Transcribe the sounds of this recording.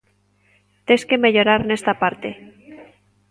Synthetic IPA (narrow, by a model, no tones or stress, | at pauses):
t̪eskeme̞ʎo̞ɾaɾne̞st̪apaɾt̪e